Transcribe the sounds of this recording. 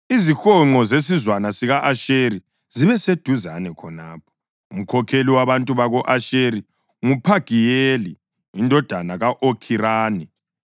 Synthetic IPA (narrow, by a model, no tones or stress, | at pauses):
izixɔŋ͡ǃɔzes̬izwanasiɣaʔaʃeɾi | ziβɛsed̥ʱuzanɛkʰɔnaːp̚ʰɔ̥ | um̩kʰɔkʰeliwaβantʼuβaɣɔʔaʃeɾi | ŋupʰaɡ̥ʱijeːli | indʱɔd̥ʱanaɣaʔokʰiɾaːni